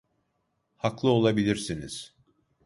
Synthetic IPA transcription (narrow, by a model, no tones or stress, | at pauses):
haklˠɯo̞lˠabilʲiɾsiniz̥